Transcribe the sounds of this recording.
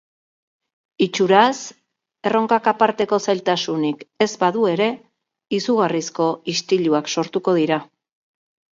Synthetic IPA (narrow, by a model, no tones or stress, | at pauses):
it͡ʃuɾas | e̞ro̞ŋkakapaɾt̪e̞ko̞sajlt̪asunike̞zbaðue̞ɾe̞ | isuɣ̞arisko̞ist̪iʎuakso̞ɾt̪uko̞ðiɾa